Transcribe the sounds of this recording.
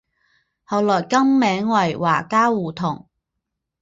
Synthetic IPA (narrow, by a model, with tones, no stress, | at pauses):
hɐ˨˧wlɔː˨˩jkɐ˥mːɛː˨˥ŋwɐ˨˩jwa̰ː˨˩kaː˥wuː˨˩t̪ʰʊ˨˩ŋ